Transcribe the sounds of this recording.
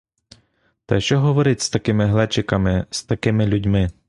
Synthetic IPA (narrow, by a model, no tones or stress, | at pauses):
t̪ɐjʃt͡ʃɔɦɔʋɔɾɪt̪ʲst̪ɐkɪmɪɦlˠɛt͡ʃɪkɐmɪst̪ɐkɪmɪlʲudʲmɪ